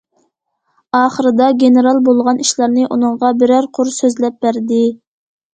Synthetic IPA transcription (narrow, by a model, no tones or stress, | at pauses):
ɑːχəɾɨd̪ɑɡʲeneɾɑlˠbolˠʁɑnʔiʃlˠɑɾnɨʔunɨɴʁɑbɪɾæɾqʰʊɾsøzlɛp̚bæɾd̪ɪ